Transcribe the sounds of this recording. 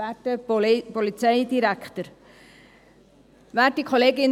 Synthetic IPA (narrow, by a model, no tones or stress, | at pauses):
æːtəpɔlit͡sɛɪd̪iɾækt̪əɾ | væːtːikʰoleːɡɪn